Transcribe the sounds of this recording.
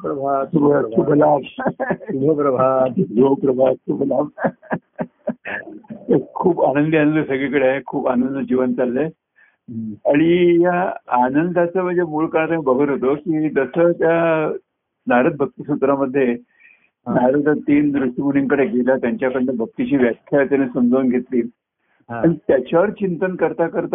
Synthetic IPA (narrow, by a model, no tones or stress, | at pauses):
pɾəbʱat̪ubəubʱəlaʋ | bəpɾəbʱat̪iɡopɾəbʱasʰubəlab | t̪əɾkʰuːpanənd̪ianənd̪əsəɡɭikəɽeaɦekʰuːpanənd̪əd͡ʑiʋənt͡salːe | aɽ̃ijaːnənd̪ʱat͡səm̤əd͡zemuːɭkəɾɳat̪amiːbəɡʱəɾɦot̪okiːd̪əsət̪ja | naɾət̪̚bʱək̚t̪isut̪ɾaməd̪ʱːje | naɾət̪ət̪iːnd̪ɾuʂʈimuniŋkəɽeɡelat̪jaɲt͡ɕjakəɽlebʱək̚t̪it͡ɕiːʋjakʰjat̪janesəmd͡zəʋunɡʱet̪liːl | aɽit̪jat͡ɕaʋəɾt͡ɕint̪ənkəɾt̪akəɾt̪